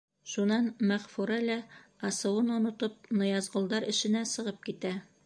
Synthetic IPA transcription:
ʃunɑnmæʁfuɾælæɒsɤ̆wɤnŭnŏt̪ɤp̚nɤ̆jɑzʁŏlˠd̪ɑɾʔɘ̆ʃɘ̆næsɤ̆ʁɤp̚kit̪æ

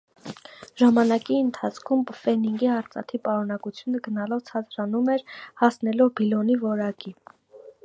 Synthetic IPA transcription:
ʒɑmɑnɑkiənt̪ʰɑt͡sʰkʰumfɛniŋɡiɑɾt͡sɑ̰t̪ʰipɑɾunɑkut͡sʰjunəɡənɑlɔvt͡sʰɑt͡sɾɑnumɛɾhɑsnɛlɔvbilɔnivɔɾɑki

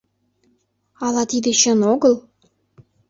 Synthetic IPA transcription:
ɑlˠɑt̪id̪ĕɕə̆noɡəlˠ

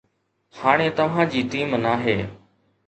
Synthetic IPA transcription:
haːɽ̃eːt̪əʋ̤ãːd͡ʑiːʈiːmnaːɦeː

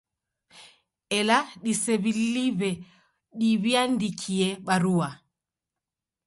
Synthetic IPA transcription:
ɛlaɗisɛβilliβɛ | ɗiβiandikʰiɛɓaɾua

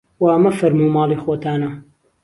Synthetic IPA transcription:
wɐɐmɐfɐɾmuːmɑːlˠiːxoːt̪ʰaːnɐ

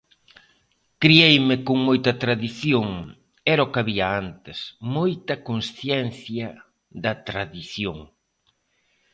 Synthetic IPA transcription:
kɾiejmɪkoŋmojt̪ɐt̪ɾaðiθjoŋ | ɛɾɐokaβiɐant̪ɪsmojt̪ɐkonsθjɛnθjɐ | ðɐt̪ɾaðiθjoŋ

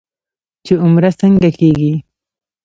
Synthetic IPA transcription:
t͡ʃeʊmɾasəŋɡakeɡi

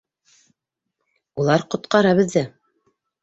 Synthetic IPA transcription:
ulˠɑɾqŏt̪̚qɑɾɑβɘ̆ðːɘ

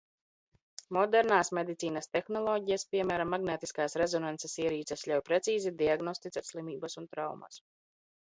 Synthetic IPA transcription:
mɔd̪ɛɾnaːsmed̪it̪siːnɐst̪ɛxnɔlˠɔːɟijaspʲiɛmæːɾamːaɡneːt̪iskaːsɾezɔnansesiɛɾiːt̪sʲɛslʲawpɾet̪siːzid̪iaɡnɔst̪it̪saɾslˠimiːbasunt̪ɾawma̰s

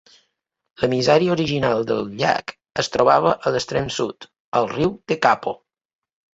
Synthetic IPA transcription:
ləmizɛɾiuɾiʒinalˠd̪əlˠʎa̰k | əst̪ɾoβaβ̞əʔələst̪ɾɛmsut̪ | əlˠriwd̪̥əkapo

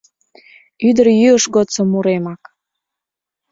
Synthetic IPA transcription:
yd̪ərjyəʃɣot͡səmːuɾemɑk

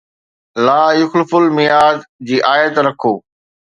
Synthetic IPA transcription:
laːjʊxlɪfʊlmɪjaːd̪d͡ʑiːʔaːjət̪ɾɐkʰoː

